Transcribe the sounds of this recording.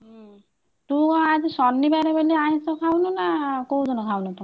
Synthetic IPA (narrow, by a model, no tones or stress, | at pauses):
t̪uad͡zisɔnːibajɾebeliaɦĩsɔkʰawnunakowdɔnɔkʰawnɔt̪a